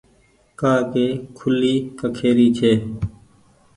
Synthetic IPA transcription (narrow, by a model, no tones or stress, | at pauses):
kaːkeːkʰʊliːkəkʰeːɾiːt͡ʃʰeː